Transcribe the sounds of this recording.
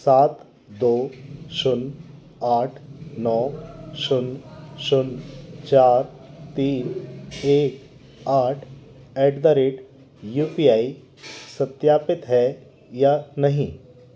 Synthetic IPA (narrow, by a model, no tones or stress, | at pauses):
saːt̪ | d̪oɕun | aʈʰnɔɕunɕunt͡ɕaːɾt̪iːneːk | aʈʰeɖd̪aɾeʈ | jupiai | sət̪japɪt̪ɦɛ | janəɦĩ